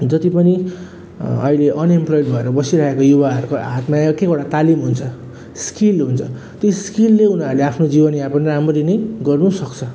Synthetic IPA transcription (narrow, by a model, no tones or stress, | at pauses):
d͡zʌt̪ipʌni | ʌ̰ileʔʌnemplojɖbʱʌeɾʌbʌsiɾaekojubaɦʌɾukoɦat̪makekoɽat̪alimɦunt͡sʰʌ | skilɦunt͡sʰʌ | t̪joskilːeunaɾuleapʰnod͡zibʌnjapʌnramʌɾinʌjɡʌrnusʌkt͡sʰʌ